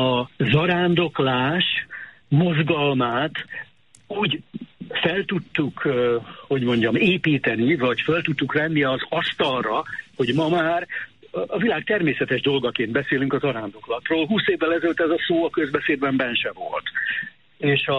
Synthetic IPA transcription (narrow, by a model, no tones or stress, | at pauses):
ɒzɒɾaːnd̪o̞klaːʃmo̞zɡɒlmaːt̪ | uːɟfɛlt̪ut̪ːukho̞ɟmo̞ɲɟɒmeːpiːt̪ɛnivɒɟfølt̪ut̪ːukrɛnːiɒzɒst̪ɒlrɒho̞ɟmɒmaːr | ɒvilaːk̚t̪ɛrmeːsɛt̪ɛʒd̪o̞lɡɒkeːnd̪bɛseːlyŋkɒzɒɾaːnd̪o̞klɒt̪roːlɦuːseːvːɛlɛzɛløt̪ːɛzɒsoːɒkøzbɛseːd̪bɛmbɛnʃɛvo̞̰lt̪ | eːʃɒ